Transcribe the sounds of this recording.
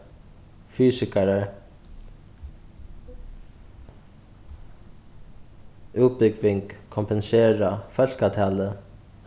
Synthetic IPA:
fyːsɪkaɾaɹ | uːt̪̚bɪkʋɪŋkkʰːɔmpɛnseːɹafœl̥kat̪ʰaːlə

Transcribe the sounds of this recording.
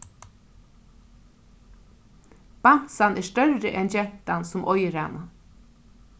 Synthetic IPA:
b̥an̥sanʔæːʂt̪œɾːəʔɛnd͡ʒɛnt̪ansʊmʔɔjɾa̰nə

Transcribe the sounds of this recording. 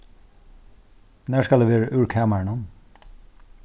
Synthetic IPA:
næːskɑld̪eːʋeːɹəʔʉːɹkʰæːməɳɔm

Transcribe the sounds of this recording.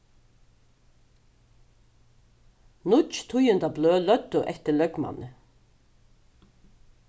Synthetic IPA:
nʊt͡ʃt̪ʰʊjʏnd̪ɑbløːlœd̪ʊʔɛt̪əlœɡmɑ̰nə

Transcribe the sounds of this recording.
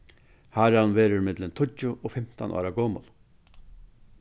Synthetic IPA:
haɾhanʋeːɾʊɾmɪt̪lɪnt̪ʰʊt͡ʃʊʔɔfɪm̥t̪a̰nʔɑ̰ːɾaɡoːmʊ̰l

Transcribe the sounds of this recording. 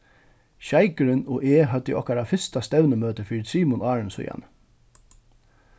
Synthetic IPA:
çæɪkəɾɪno̰ːʔeːɦœd̪ḭʔɔ̰hkɑɾɑːfɪst̪ɑst̪œʉnəmøːt̪əfiːɾsiːmʊnɑːɹənsʊ̰jɑ̰n

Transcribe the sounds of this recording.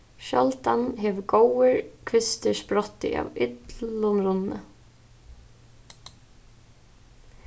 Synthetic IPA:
ʃɔlt̪anɦɛʋɡowəɹkʰʋɪst̪ɪspɾɔt̪ːɪ̰ʔa̰wɪt̪llʊnɾʊnːə̰

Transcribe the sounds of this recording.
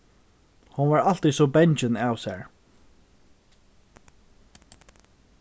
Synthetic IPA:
hʊnʋaɹal̥t̪isɔbɛɲt͡ʃɪnaːwsɛɹ

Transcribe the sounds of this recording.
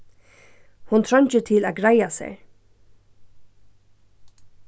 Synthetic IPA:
hʊnt̪ʰɾœɲt͡ʃət̪ʰɪlæːɡɹajasḛɹ

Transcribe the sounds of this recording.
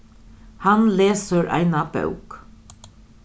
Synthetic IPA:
hanleːsəɾʔæ̰ɪnabœ̰wk

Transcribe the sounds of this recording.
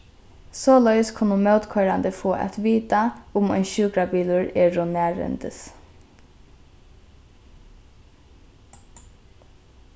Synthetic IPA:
sɔːlœjskʰʊnːʊmœwt̪kʰɔɾand̪ɪfoːʔɛ̰t̪ʋiːt̪aʊmɔ̰jnʃuːkɾabiːlʊɹɛːɹʊnæːɹɛ̰nt̪ɪs

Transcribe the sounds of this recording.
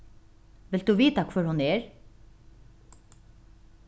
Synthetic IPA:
ʋɪld̪uːʋiːt̪akʰvœɹhʊnɛːɹ

